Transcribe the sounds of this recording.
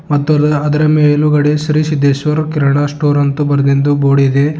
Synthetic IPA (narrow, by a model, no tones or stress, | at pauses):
mɐt̪ːuɐd̪ɐɾɐmeːluɡɐɽesɾisid̪eʃʋɐɾkiɾɐɳasʈoːɾɐnt̪ubɐɾɐd̪end̪uboːɽid̪e